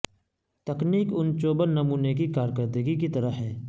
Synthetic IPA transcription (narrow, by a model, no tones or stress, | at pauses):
t̪ɐkniːkʊnt͡ʃoːbənːɐmuːnekikaːɾkəɾd̪əɡik̬it̪ɐɾəɦɦɛː